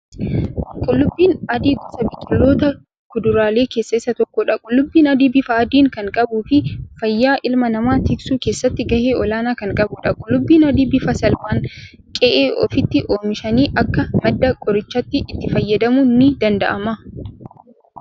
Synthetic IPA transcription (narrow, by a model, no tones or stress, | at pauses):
kʼʊlːʊbːiːnɐd̪iːɡɔsɐbɪkʼːɪlːo̞ːt̪ɐ | kʊd̪ʊɾaːle̞ːke̞ːsːɐɪsːɐt̪ɔkːoːᶑɐkʼʊlːʊbːiːnɐd̪iːbɪfɐːd̪iːŋkɐŋkʼɐbuːfɪfɐjːaːʔɪlmɐnɐmaːt̪ɪksuːke̞ːsːɐt̪ːɪɡɐheːʔɔlaːnaːkɐŋkʼɐbʊᶑɐkʼʊlːʊbːiːnɐd̪iːbɪfɐsɐlmaːŋ | kʼɛʔeːʔɔ̰fɪt̪ːɪʔo̞ːmɪʃɐniːʔɐkːɐmɐd̪ːɐkʼɔɾɪt͡ʃːɐt̪ːɪʔːt̪ːɪfɐjːɐd̪ɐmʊnːɪd̪ɐnd̪ɐ̰ʔɐmɐ